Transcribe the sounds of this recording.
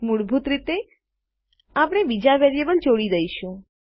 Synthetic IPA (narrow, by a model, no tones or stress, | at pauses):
muɽbʱut̪ɾit̪e | apɽ̃ebid͡ʒaʋɛɾijebəld͡ʒoɽid̪əiʃũ